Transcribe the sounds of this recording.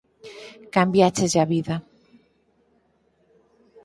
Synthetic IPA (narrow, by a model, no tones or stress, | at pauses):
kambjat͡ʃezaβiða